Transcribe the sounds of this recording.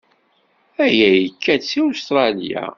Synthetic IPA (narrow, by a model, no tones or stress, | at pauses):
æjæjəkːæsiust̪ɾˤɑlja̰